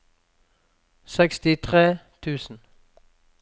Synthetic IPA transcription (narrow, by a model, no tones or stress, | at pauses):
sɛkst̪ɪt̪ʰʁeːt̪ʰʉːsn̩